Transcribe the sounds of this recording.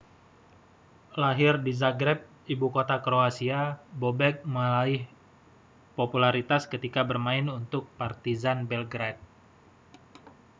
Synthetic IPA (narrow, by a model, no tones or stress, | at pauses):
laɦɪrdizaɡɾɛp̚ | ibukot̪akɾoasiabobɛk̚məlaɪh | populaɾit̪askət̪ikabərmaɪnunt̪ʊk̚part̪izanbɛlɡɾat̪̚